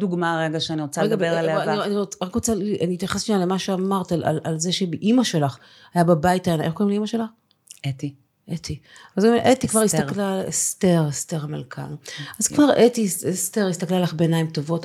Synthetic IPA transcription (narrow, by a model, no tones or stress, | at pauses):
duɡmaʁeɡaʃeaniʁot͡saʁeɡaeʁalnianiʁoʁakʁot͡saaniːt̪jaχasʃialemaʃeamaʁtala̰lalzeʃebeʔimaʃe̞laχ | ajababajitajanaʔeχkoimleimaʃelaχ | et̪i | ʔet̪ʰivalɡmeʔetikvaʁist̪aklaesteʁesteʁamalkʰa̰nazkvaʁetisesteʁist̪aklalaχbeːnaimto̞vo̞t